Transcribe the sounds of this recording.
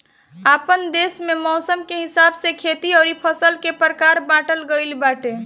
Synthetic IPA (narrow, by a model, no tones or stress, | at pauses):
apənd̪esmemɔːsəmkeɦisabsekʰet̪iɔːɾipʰəsəlkepəɾəkaɾbãʈəlɡəɪlbaʈe